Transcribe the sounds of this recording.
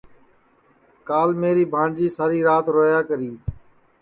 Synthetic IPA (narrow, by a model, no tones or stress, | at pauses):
kaːlmeːɾiːbʱãːɳd͡ʒiːsaːɾiːɾaːt̪ɾoːjaːkəɾiː